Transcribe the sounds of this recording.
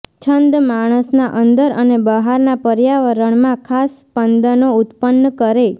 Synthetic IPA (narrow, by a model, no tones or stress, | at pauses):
t͡ʃʰənd̪maɽ̃əsnaʔənd̪əɾənebəɦaɾnapəɾjaʋəɾəɳmãkʰaspənd̪ənoʊt̪pənːəkəɾe